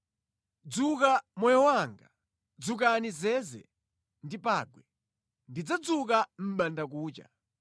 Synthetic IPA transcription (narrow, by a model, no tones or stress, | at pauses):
d͡zukamwɔjɔwaŋɡa | d͡zuk̬anizɛzɛ̰ | ndipaːɡwɛ | ndid͡zad͡zuk̬am̩ɓandak̬uːt͡ʃa̰